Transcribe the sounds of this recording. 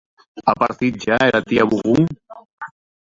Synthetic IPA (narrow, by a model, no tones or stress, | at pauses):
apaɾt̪iɾd͡ʒaeɾat̪iaβuɣuŋ